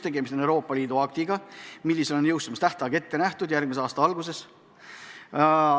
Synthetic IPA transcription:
t̪e̞ɡ̥e̞mist̪enewɾo̞ːpːˑɑliːd̪̥uɑk̚t̪iɡ̥ɑmilːiselonjɤwst̪umɑst̪æht̪ɑɡe̞t̪ːe̞næht̪ud̪jærɡ̥̚miseɑːst̪ɑɑlɡus̬e̞s

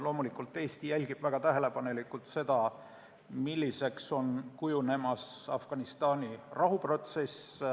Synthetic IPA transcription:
lo̞ːmulikːˑult̪ˑːeːst̪ijælʲɡ̥ib̥væɡ̥ɑt̪æɦe̞le̞pɑne̞likːˑult̪se̞d̪̥ɑ | milʲːise̞kso̞nkujune̞mɑsɑ̰fɡ̥ɑnist̪ɑːnʲirɑɦupro̞t̪se̞s

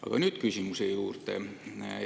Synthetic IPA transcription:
ɑ̰ɡ̥ɑnyːd̪̥kysʲimusejuːrt̪ḛ

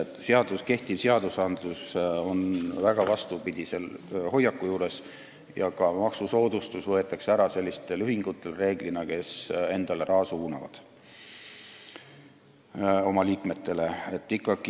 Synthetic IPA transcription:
t̪ːˑseɑd̪uske̞ht̪ivseɑd̪̥usɑnd̪̥luso̞nvæɡ̥ɑvɑst̪upid̪̥ʲise̞lho̞jːɑkːˑujuːɾe̞s | jɑkɑmɑksuso̞ːd̪̥ust̪usvɤe̞t̪ːˑɑkseæɾɑse̞lʲːist̪e̞lyɦiŋɡ̥ut̪ːˑe̞lre̞ːɡ̥linɑke̞se̞nd̪̥ɑleɾɑːsuuːnɑvɑ̰d̪̥ | o̞mɑliːkme̞t̪ːe̞le̞et̪ːˑikːˑɑɡ̥i

